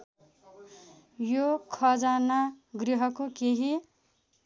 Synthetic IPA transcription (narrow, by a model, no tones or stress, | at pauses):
jokʰʌd͡zanaɡriɦʌkokeɦi